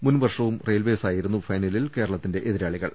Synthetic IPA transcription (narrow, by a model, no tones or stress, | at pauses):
munʋɐrʂɐʋumrejlʋeːsaːjiɾunːufɐjnɐlilke̞ːɾɐɭɐt̪ːinde̞ʔeðiɾaːɭiɣɐ̰ɭ